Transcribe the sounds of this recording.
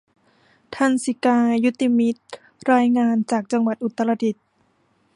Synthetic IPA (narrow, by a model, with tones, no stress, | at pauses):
t̪ʰa˧nsi˨˧˦kaː˧ju˦˥t̪iː˧mi˦˥t̪̚ | ɾaː˧jŋaː˧nt͡ɕaː˨˩k̚t͡ɕa˧ŋwa˨˩t̪̚ʔu˨˩t̪ːa˧la˧t̪ʰi˨˩t̪̚